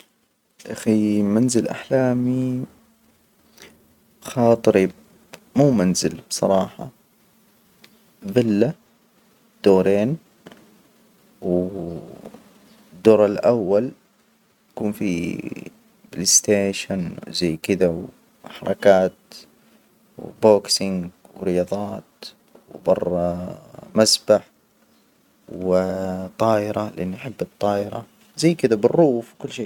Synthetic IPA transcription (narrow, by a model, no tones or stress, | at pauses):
ʔaximanzɪlʔa̰ħlaːmi | xɑːt̪ˤɨɾib | muːmanzɪlbsˤɑ̰ɾˤɑːħɑ̰ | bɪlːa | d̪̥oːɾeːn | w | d̪ːoːɾˤɪlʔawːal | jakuːnfi | blɪst̪eːʃanzajːkɪd̪aw | ħɑɾˤɑkaːt̪ | w̰boːksɪŋɡ | wɾɪjɑːðˤɑːt̪ | wbɑrˤː | masbaħ | wwɪt̪ˤːɑːʔɪɾɑlɪʔanːiaħɪbːɨt̪ˤːɑːʔɪɾɑ̰ | zajːkɪd̪abɪrːuːfwkʊlːʃeː